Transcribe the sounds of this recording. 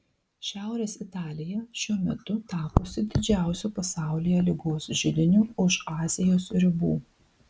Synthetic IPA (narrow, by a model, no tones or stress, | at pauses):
ʃʲæˑʊɾʲeːsɪt̪ɑːlʲɪjɛʃʲuɔmʲɛt̪ʊt̪ɑːpoːsʲɪd̪ʲɪd͡ʒʲæˑʊsʲuːpɐsɑˑʊlʲɪjɛlʲɪɡoːsʒʲɪd̪ʲɪnʲuːʊʃɑːzʲɪjoːsɾʲɪbṵː